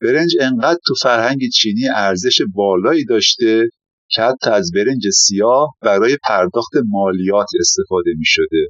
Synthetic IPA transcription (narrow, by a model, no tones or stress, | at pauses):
b̥e̞ɾe̞nd͡ʒe̞ɴɢæd̪̥̚t̪ʰufæɾhæɲɟet͡ʃʰiːniːæɾze̞ʃebɒːlɒːiːd̪ɒːʃt̪e̞ | cʰehæt̪ʰːɒæzbe̞ɾe̞nd͡ʒesijɒːhbæɾɒːje̞pʰæɾd̪ɒːxt̪e̞mɒːlijɒːt̪ʰe̞st̪e̞fɒːd̪e̞miːʃo̞d̪e